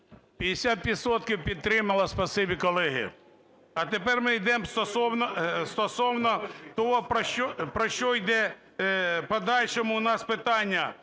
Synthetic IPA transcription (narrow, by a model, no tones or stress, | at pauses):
pʲjɐd̪esʲat̪ʋʲid̪sɔt̪kʲiwpʲid̪̚t̪ɾɪmɐlˠɐspɐsɪbʲikɔlˠɛɦɪ̰ | ɐt̪epɛrmɪjd̪ɛmst̪ɔsɔwnɔst̪ɔsɔwnɔt̪ɔɦɔpɾɔʃt͡ʃɔpɾɔʃt͡ʃɔjd̪ɛ | pɔd̪ɑlʲʃɔmʊʊnɑspɪt̪ɑnʲːɐ